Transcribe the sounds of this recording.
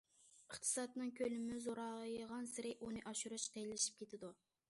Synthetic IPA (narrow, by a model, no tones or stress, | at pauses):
əχt̪ʰɨ̥sɑt̪nɨŋkʲʰølɪmɪzoɾɑʁjʁɑnsɪɾɪʔunɨʔɑʃuɾɨʃqelɪʃi̥p̚kʲʰet̪ʰɪd̪u